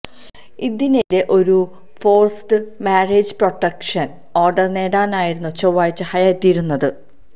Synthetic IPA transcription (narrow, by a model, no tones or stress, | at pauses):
iðineɾeʔo̞ɾu | fo̞ːrstɨmaːreːd͡ʑɨpro̞ʈːɐkʂɐn | oːrɖɐrne̞ːɽaːnaːjiɾunːut͡ɕoʋːaːjit͡ɕːɨhɐjaːet̪ːijɐɾunːɐðɨ